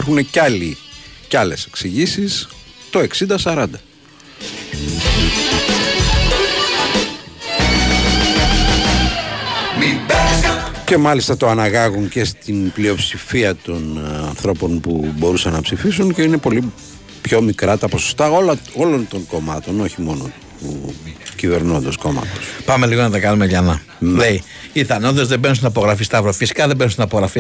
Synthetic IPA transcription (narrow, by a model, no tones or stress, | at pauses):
ɐɾxune̞cɐlicɐle̞se̞̥ksiʝisis | t̪o̞e̞ksind̪ɐsɐɾɐnd̪ɐ | ce̞mɐlist̪ɐt̪o̞ɐnɐɣɐɣunce̞st̪inplio̞psifiɐt̪o̞nɐnθɾo̞po̞npubo̞ɾusɐnːɐpsifisunce̞ine̞po̞li | pço̞mikɾɐt̪ɐposost̪ɐo̞lɐo̞lo̞nt̪o̞ŋko̞mɐt̪o̞no̞çimo̞no | puciveɾnond̪ɐsko̞mɐ̰t̪ospɐme̞liɣonɐt̪ɐkɐnumeʝɐnɐ | lei | iθɐnoðo̞zðebenusinɐpo̞ɣɾɐfist̪ɐvɾofisi̥kɐðebenusinɐpoɣɾɐfi